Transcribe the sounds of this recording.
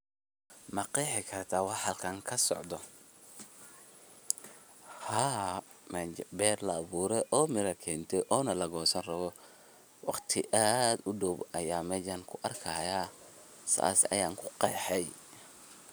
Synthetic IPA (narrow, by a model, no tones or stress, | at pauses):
mɑqɛħɪkʰɐrt̪ʰaːwɑħɐlkʰɐŋkʰɐsɔ̰ʕd̪ɔ | haː | mɛbɛːrlɐːβuːɾɛʔɔːmɪɾɐkʰɛːnt̪ʰɛʔɔːnɐlɐɣɔːsɐnrɐβɔ | wɑqt̪ʰɪʔaːd̪ʊɖɔbɐjaːmɛːjaŋkʰʊʔɐrkʰaːjaː | sa̰sɐ̰jaːŋkʰʊ̥qɑjħɛj